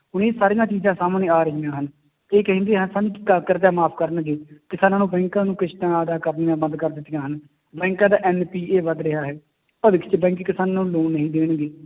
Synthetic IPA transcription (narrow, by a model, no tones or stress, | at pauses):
ɦʊneːsaːɾɪjãːt͡ʃiːzãːsaːmnẽːaːɾəɦiːãːɦən | eːkəɦə̃nd̪eːɦənsaːnũːɪkːaːkəɾd̪aːmaːpʰkəɾəɳɡeːkɪsaːnãːnũːbɛ̃ːŋkãːnũːkɪʃʈãːəd̪aːkəɾnɪjãːbənd̪kəɾd̪ɪt̪ːɪjãːɦən | bɛ̃ːŋkãːd̪aːʔɛːnpiːeːʋəd̪ɾɪɦaːɦɛː | pəʋɪkʰt͡ʃbɛ̃ːŋkːkɪsaːnaːnũːloːnːəɦĩːd̪eːɳɡeː